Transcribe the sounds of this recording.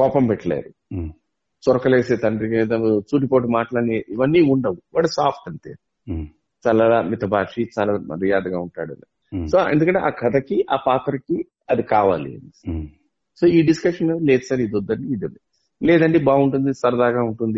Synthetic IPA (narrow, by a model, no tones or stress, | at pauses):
kɔːpɐmpɛʈːɐlḛːɾu | t͡ʃɔɾɐkɐleːseːt̪ɐɳɖiked̪ɐt͡ʃuːʈipoːʈ̬imaːʈlaːɽeiʋɐnːiːuɳɖɐʋuʋaːɽusaːpʰʈ̪ɐɳʈḛː | t͡ʃaːlaːlaːmit̪ɐbʱaːʂit͡ʃaːlaːmɐɾijaːd̪ɡaːuɳʈa̰ːɽɐ̰ne | soːḛnd̪ukɐɳʈeaːkʰɐd̪ɐkiʔaːpaːt̪ɐɾki | ɐd̪ikaːʋaːlḭɐ̰ni | soːiːɖiskɐʂɐnɐleːd̪isɐɾiid̪ɔd̪ːɐɳɖiːd̪ule | lɛːd̪ɐɳʈeːbaːuɳʈund̪isɐɾɐd̪aːɡaːuɳʈund̪i